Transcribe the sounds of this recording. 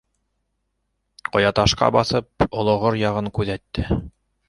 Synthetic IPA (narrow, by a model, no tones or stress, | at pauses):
qŏjɑt̪ɑʃqɑ̰bɑθɤp̚ŏlˠŏʁoɾjɑʁɤŋkʉðæt̪ːɘ